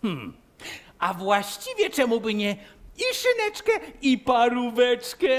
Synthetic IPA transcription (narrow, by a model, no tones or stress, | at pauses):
x̩ | avwaɕt͡ɕivʲjɛt͡ʂɛmubɘɲɛiʂɨnɛt͡ʂkɛipaɾuvɛt͡ʂkɛ